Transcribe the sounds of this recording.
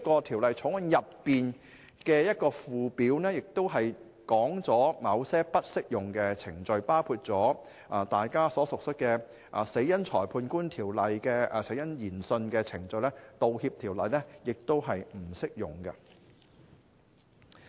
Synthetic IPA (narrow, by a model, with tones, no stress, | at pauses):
kɔː˧t̪ʰiː˨˩wlɐ˨jt͡ʃʰʊ˨˥ŋɐ˨˧njɐ˨pːiː˨n | kɛː˧jɐ˥t̚kɔː˧fuː˨piː˨˥wnɛː˥jɪ˨k̚t̪o˥wɦɐ˨j | kɔː˨˥ŋt͡sɔː˨˥mɐ˨˧wsɛː˥pɐ˥t̚sɪ˥k̚jʊ˨ŋkɛː˧t͡sʰɪ˨˩ŋt͡sɵ˨˧ɥpaː˥wkʰuː˧t̚t͡sɔː˨˥ | ʔɐː˨˩t̪aː˨jkaː˥sɔː˨˥sʊ˨k̚sɵ˥t̚kɛ˧ | ʔɐ˨˩se˨˥jɐ˥nt͡ʃʰɔː˨˩jpʰuː˧nkuː˥nt̪ʰiː˨˩wlɐ˨jkɛː˧˨se˨˥jɐ˥njiː˨˩nsɵ˧nkɛː˧t͡sʰɪ˨˩ŋt͡sɵ˨˧ɥlɛ˥t̪o˨whiː˧p̚t̪ʰiː˨˩wlɐ˨jnɛ˥jɪ˨k̚t̪o˥wɦɐ˨jm̩˨˩sɪ˥k̚jʊ̰˨ŋkɐ̰˧